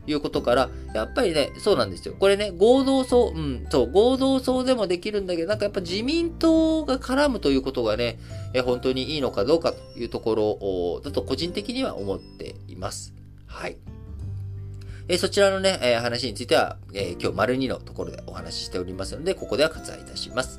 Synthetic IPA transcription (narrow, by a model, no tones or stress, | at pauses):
jɯ̟ːko̞t̪o̞kaɾa | japːaɾʲine̞so̞ːnãnd̪e̞sɨjo̞̰ko̞ɾe̞ne̞ɡo̞ːd̪o̞ːso̞ːʔɯ̟̃ɴso̞ːɡo̞ːd̪o̞ːso̞ːd̪e̞mo̞d̪e̞kʲiɾɯ̟̃nd̪ake̞d̪onãŋkajapːaiʑimʲĩnt̪o̞ɡakʰaɾamɯ̟t̪o̞jɯ̟ːko̞t̪o̞ɡane̞ | eɦõ̞nt̪o̞ɲ̟iiːno̞kad̪o̞ːkat̪o̥jɯ̟ːt̪o̞ko̞ɾo̞ʔːd̪at̪o̞ko̞ʑĩnt̪e̞kʲiɲ̟iβa̰ʔo̞̰mo̞t̪ːe̞̰ḭmasɨ̥ | hai | eso̞t͡ɕiɾano̞ne̞eːɦanaɕ̬iɲit͡sɨit̪e̞βa̰ | ekʲo̞ːmaɾɯ̟ɲ̟ino̞̰t̪o̞ko̞ɾo̞d̪e̞̰ʔo̞̰hana̰ɕi̥ɕi̥t̪e̞o̞ɾʲimasɨno̞d̪e̞ko̞ko̞d̪e̞akḁt͡sɨa̰ḭt̪aɕḭmasɨ̥